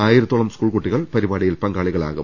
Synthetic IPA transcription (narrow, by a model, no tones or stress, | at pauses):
aːjiɾɐt̪ːoːɭɐmskuːɭkuʈːiɣɐɭpɐɾibaːɽijilpɐŋɡaːɭiɣɐɭa̰ːɣum